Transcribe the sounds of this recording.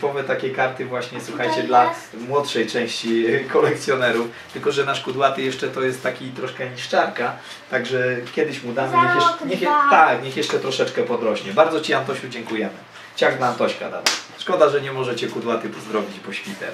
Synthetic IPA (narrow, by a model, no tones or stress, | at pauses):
pɔmɛt̪akʲejkaɾt̪ɘvwaɕɲɛswuxajt͡ɕɛd̪la | mwɔt̪ʂɛjt͡ʂɛ̃w̃ɕt͡ɕikɔlɛkt̪sʲjɔnɛɾuf | t̪ɘlkɔʐɛnaʂkud̪wat̪ɘjɛʂt͡ʂɛt̪ɔjɛst̪ːakʲit̪ɾɔʂkɛɲiʂt͡ʂaɾka | t̪aɡʐɛkʲɛd̪ɘɕmud̪amɲɛɛʂɲɛxjt̪akɲɛxjɛʂt͡ʂɛt̪ɾɔʂɛt͡ʂkɛpɔd̪ɾɔɕɲɛbaɾd̪zɔt͡ɕiant̪ɔɕud͡ʑɛŋkujɛmɘ | t͡ɕaɡd̪aːnt̪ɔɕka̰d̪a̰d̪a̰sʂkɔd̪aʐɛɲɛmɔʐɛt͡ɕɛkud̪wat̪ɘpɔzd̪ɾɔbʲit͡ɕpɔɕfʲit̪ɛ̰